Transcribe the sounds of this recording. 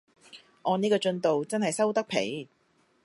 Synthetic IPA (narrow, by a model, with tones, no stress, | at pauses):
ʔɔː˨˧niː˥kɔː˧t͡ʃɵ˧nt̪o˨wt͡sɐ˥nhɐ˨jsɐ˥wt̪ɐ˥k̚pʰḛ˨˥j